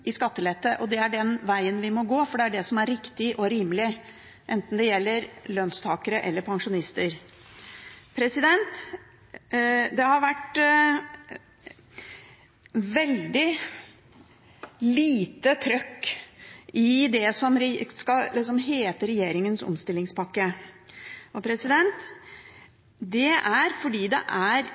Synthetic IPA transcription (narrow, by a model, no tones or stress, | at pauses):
ʔɪskɑt̪ːəlɛt̪ːəʔɔd̪ɛæɖɛnʋæɪənʋɪmɔɡoːfɔɖɛæɖɛsɔmæɾɾɪkt̪ɪʔɔɾiːməlɪ | ʔɛnt̪n̩d̪ɛjɛlːəɾlœnst̪ʰɑːkəɾəʔɛ̰lːəɾpʰɑŋʂʊnɪst̪əɾ | pʰɾɛsɪd̪ɛnt̪ | d̪ɛhɑɾʋæʈ | ʋɛld̪ɪ | liːt̪ət̪ʰɾœkː | ɪd̪ɛsɔmɾskɑɪsɔmɦeːt̪əɾɛjeːɾɪŋənsɔ̰mst̪ɪlːɪŋspʰɑkːə | ʔɔpʰɾɛsɪd̪ɛnt̪ | d̪ɛæɾfɔɖiːd̪ɛ̰ʔæɾ